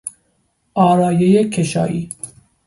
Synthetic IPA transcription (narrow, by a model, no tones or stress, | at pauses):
ʔɒːɾɑːjejekʰeʃɑ̰ːʔiː